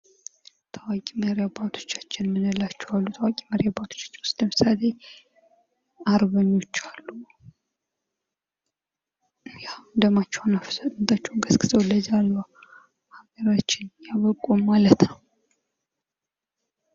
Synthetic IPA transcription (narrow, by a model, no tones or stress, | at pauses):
t̪ʰawakʼiməɾjabat̪ʰo̞̥t͡ʃːḁt͡ʃːɪnmɨnɨlːat͡ʃːɛwalːut̪ʰawakʼiməɾjabat̪ʰo̥t͡ʃːḁt͡ʃːɪnwʊst̪əmɨ̥sale | aɾβəɲːo̞t͡ʃːalːu | jand̪əmat͡ʃːɛwnafsʼɨnt̪ʼat͡ʃːɛwɡəskʼɨzəwləzalːa | haɡəɾat͡ʃːɪnjaβəkʼommalət̪nəw